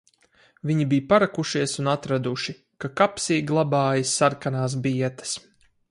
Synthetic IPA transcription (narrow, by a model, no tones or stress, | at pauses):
viɲibijpaɾakuʃiɛsunat̪ɾad̪uʃi | kakapsiːɡlˠabaːjisaɾkanaːs̬biɛt̪ɐ̥s